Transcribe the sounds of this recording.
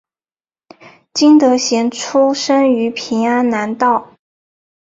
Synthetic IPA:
t͡ɕi˥ŋt̪ɤ˧˥ɕjɛ˧˥nʈ͡ʂʰu˥ʂə˥ŋy˧˥pʰi˧˥ŋa˥nna˧˥nt̪ɑ˥˩ʊ

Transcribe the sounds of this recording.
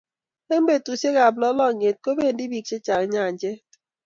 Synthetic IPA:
e˦m̩˦be˨tu˨se˦ka˨blɔ˦lɔ˦˨ɲe˨t̚ko˦be˦˨n˦di˦bi˨k̚t͡ʃe˦t͡ʃa˨kɲa˦˨n̩˨d͡ʒe˦

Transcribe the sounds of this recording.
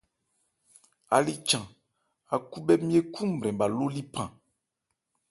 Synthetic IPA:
a̰˨li˦t͡ʃã˨ | a˨ku˦bɛ˦mĩ˦e˦kʰũ˦m̩˨bɾɛ̃˨ba˨lo˦li˦pã˨

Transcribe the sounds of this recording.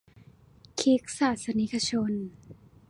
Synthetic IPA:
kʰi˦˥k̚saː˨˩t̪̚sa˧ni˦˥kʰa˧t͡ɕʰo˧n

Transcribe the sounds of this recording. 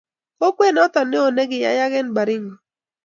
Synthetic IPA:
o˦kwe˦˨nɔ˦t̪ɔ˨nɪ˦o˨ne˦ɡɪ˨ja̰˨˦ja˦ɡɛ˦nba˨ɾɪ˦ŋɡɔ˨

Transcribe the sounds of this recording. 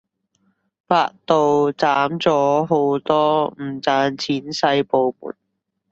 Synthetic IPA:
faː˧k̚t̪o˨˧wt͡saː˨˥mt͡sɔː˨˥ɦo˨˧˥wt̪ɔː˥m̩˨˩t͡saː˧nt͡sʰiː˨˥nsɐ˧jpo˨˧wmṵː˨˩n̚

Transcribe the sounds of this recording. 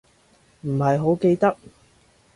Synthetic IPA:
m̩˨˩ɦɐ˨jɦo˨˥wke˧jt̪ɐ˥k̚

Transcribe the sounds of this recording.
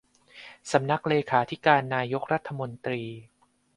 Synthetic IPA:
sa˩˦mna˦˥k̚leː˧kʰaː˩˦t̪ʰi˦˥kaː˧nːaː˧jo˦˥k̚ɾa˦˥t̪ʰːa˧mo˧nt̪ɾiː˧

